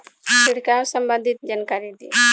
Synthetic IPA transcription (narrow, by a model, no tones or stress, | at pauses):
ʃiɽkawsəmbənd̪ʱit̪̚d͡ʒankaɾid̪ḭ